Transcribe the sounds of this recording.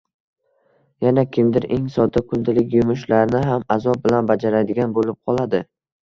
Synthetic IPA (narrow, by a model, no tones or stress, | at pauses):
janakʲʰɪmd̪ɪɾḛŋsɒd̪akʰʊnd̪ɪlɪkʲjʊmʊʃ̬laɾnɪɦamazɒp̚bɪlanbad͡ʒaɾajd̪ɪɡʲanbolɪp̚qʰɒlˠad̪ɪ